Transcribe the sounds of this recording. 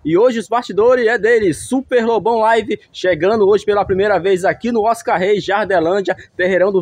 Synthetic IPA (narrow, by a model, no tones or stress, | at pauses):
ɪoʒɪʊzbaɾt͡ʃid̪oɾɪɛd̪elɪsupeɾlobɐ̃w̃lajvɪʃeɡɐ̃nd̪ʊoʒɪpelɐpɾimejɾɐvejzakinʊɔskaɾɦejʒaɾd̪elɐ̃d͡ʒɐt̪eɦeɾɐ̃w̃d̪ʊ